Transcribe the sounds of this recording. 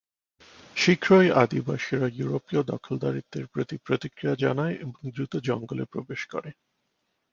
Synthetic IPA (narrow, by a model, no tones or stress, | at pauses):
ʃikʰɾojʔad̪ibaʃiɾajuɾopiod̪ɔ̰kʰold̪aɾik̚d̪eɾpɾot̪ipɾot̪ikɾijad͡ʑanaeʔeboŋd̪ɾut̪od͡ʑɔŋɡolepɾobeʃkɔ̰ɾe